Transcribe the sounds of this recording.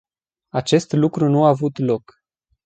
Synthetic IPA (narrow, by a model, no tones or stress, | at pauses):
at͡ʃe̞st̪lukɾunuaːvut̪lo̞k